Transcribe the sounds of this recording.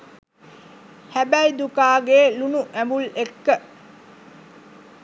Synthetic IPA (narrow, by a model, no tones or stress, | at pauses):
hæbæjd̪ukaːɡeːlunuʔæmbulekːə